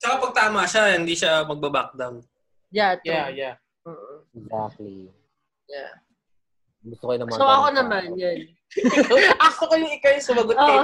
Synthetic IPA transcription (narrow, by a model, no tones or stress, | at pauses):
t͡ʃɐkapɐɡ̚t̪aːmɐʃaɪnd̪iʃamɐɡ̚bɐbak̚d̪ɐm | jat̪jaja | oːʔoɛɡzak̚t̪lḭ | ja | ɡʊst̪okojnɐmasowɐko̞nɐmanjan | wɐst̪okojʊŋɪkajsʊmɐɡot̪ː